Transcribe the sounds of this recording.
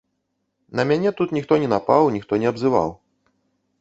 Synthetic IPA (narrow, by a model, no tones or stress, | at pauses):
nɐmʲanʲɛt̪ut̪nʲixt̪ɔnʲɛnapawnʲixt̪ɔnʲɛɐbzɨva̰w